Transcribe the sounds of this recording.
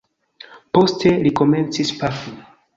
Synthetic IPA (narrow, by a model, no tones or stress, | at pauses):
po̞ste̞liko̞me̞nt͡sispaku